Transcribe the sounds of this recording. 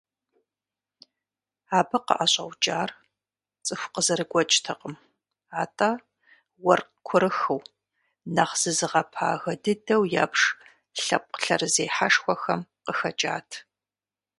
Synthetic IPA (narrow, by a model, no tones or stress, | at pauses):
aːbɐqə̰ʔɐɕʼɐwt͡ʃʼaːr | t͡sʼɨxʷqəzɐɾɨɡʷɔt͡ʃʼtʰɐqʼəm | aːtʼaː | wɐr | kʷʰʊɾɨxɨw | nɐχz̥ɨzɨʁɐpʰa̰ːɣɐdɨdɐwja̰ːpʂ | ɬɐ̰pʷʼɬɐrzeːħaʂxʷɔxɐmqəxɐt͡ʃʼa̰ːtʰ